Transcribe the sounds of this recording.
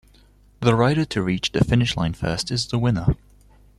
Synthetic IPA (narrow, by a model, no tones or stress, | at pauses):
ðəɹaɪɾətʰəɹiˑt͡ʃðəfɪnɪʃlãɪ̃nfɜˑstɪzðəwɪ̃nə